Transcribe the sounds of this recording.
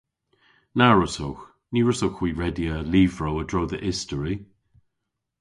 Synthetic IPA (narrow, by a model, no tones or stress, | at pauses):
naɹʊsowx | niːɹʊsowxwiːɹɛdiəliːvɹowədɹoːðəʔɪstəɹi